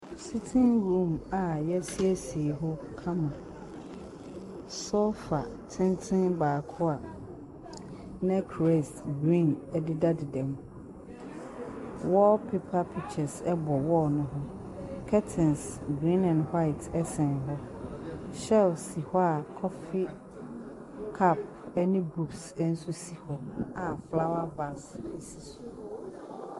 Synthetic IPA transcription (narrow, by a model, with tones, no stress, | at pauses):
si˦tʰɪ̃˦nɡɾũ˦˨ma˨jɛ˦si˦e˦si˨e˨ɦɔ˦kʰã˦mã˨ | sɔ˦fa˨tʰɪ̃˦ntʰɪ̃˦nbaː˨kʰʊ˦a˨ | nã˦kʰɾɛ˦˨sɡɾĩ˦˨nɛ˦dɪ˦da˦dɪ˨dɛ̃˨m | wɔ˦pʰe˦pʰa˦pʰi˦˨t͡ɕʰɛ˨sɛ˦bɔ˨wɔ˦nʊ̃˦ɦɔ˦ | kʰɛ˦tʰɪ̃˨nsɡɾĩ˦nã˨nha˦ɪ˨tʰɛ˦sɛ̃˨n˨ɦɔ˦ | ɕɛ˦lsi˨hɔ˦a˨kʰɔ˦fɪ˦ | kʰa˦˨p̚ | ɛ˦nɪ̃˦bu˦ksɛ˦n̩˦su˦si˨hɔ˦a˨fla˦wa˦ba˨si˨si˨s